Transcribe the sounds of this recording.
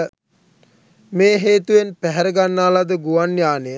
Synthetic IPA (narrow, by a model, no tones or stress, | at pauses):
meːɦeːt̪uʋenpæɦɛɾəɡanːaːlad̪əɡuʋanjaːne